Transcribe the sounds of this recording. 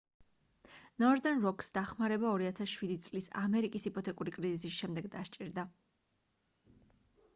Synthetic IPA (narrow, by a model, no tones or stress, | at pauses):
nɔɾd̪ɛnɾɔkʰʼsd̪aχmaɾɛbaɔɾiat̪ʰasʃwid̪it̪sʼlisa̰mɛɾikʼisipʰʼɔt̪ʰɛkʼuɾikʼɾizisisʃɛmd̪ɛɡd̪aʃt͡ʃʼiɾd̪a